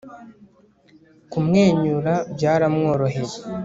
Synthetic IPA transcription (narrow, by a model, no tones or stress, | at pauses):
kumŋeːɲuɾabjaːɾamŋo̞ːɾoɦeɾe